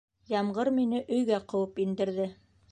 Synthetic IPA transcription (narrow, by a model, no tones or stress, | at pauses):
jɑmɢɤɾminɘʔɵ̆jɡæqɤ̆wɤpind̪ɘ̆ɾðɘ